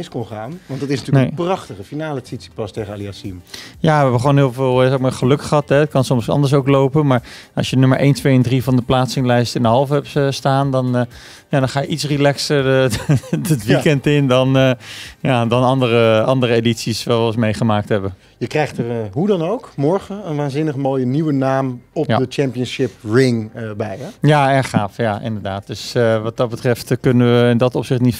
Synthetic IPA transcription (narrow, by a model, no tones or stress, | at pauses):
ɪskonχaːnʋɑndɑtɪsnatyənəejprɑχtəχəfinaːləsitsi̥pɑstejχəaliasimjaːʋɛɦɛbəχəʋownɦɪːlˠvɪːlˠɛkmaːɹχəlɵkχəɦɑtɦɛt̚kɑnsɔmsɑ̰ndəɹs̬owklowpənmaːɹɑ̰sjənyməɹʔḛjntʋejɛndrivɑndəplaːtsɪŋlɛjstɪndəɦɑlˠfɛpəstaːndɑn | jaːdɑnχaːjəʔitsrilɛksəɹ | ətʋikɛntɪndɑnjadɑnɑndərəɑndərəeditsisʋaːʋlsmejχəmaːk̚tɦɛbə | jəkrɛjχtərɦudɑnowkmɔɹχəənʋaːnzɪnəχmoːjəniwənaːmɔp̚adət͡ʃɛmpiənsɪpɹɪŋbɛjjaɛɹχaːfjaʔɪ̰ndəɹdaːt̚døsʋɑt̚dɑt̚bətrɛftkønənʋəɪndɔtɔpsɪχtnit